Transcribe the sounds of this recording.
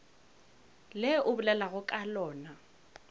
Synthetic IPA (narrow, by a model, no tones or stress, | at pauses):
lɛʔʊbʊlɛlaɣʊkʼalɔːna